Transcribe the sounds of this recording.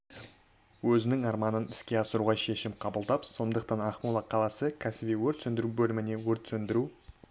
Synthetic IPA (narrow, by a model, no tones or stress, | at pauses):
wɵzɪnɪŋɑɾmɑnənɪskʲe̞ɑsəɾuʁɑʃe̞ʃɪmqʰɑbəlˠd̪ɑpso̞nd̪əqt̪ɑnɑχmulˠɑqʰɑlˠɑsəkʲʰæsɪbijwɵɾt̪sɵnd̪ɪɾubɵlɪmɪne̞wɵɾt̪sɵnd̪ɪɾu